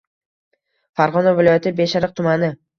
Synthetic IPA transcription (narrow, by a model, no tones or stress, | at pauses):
faɾʁɒnavɪlɒjat̪ʰɪbe̞ʃaɾɨq̚t̪ʰʊmanɪ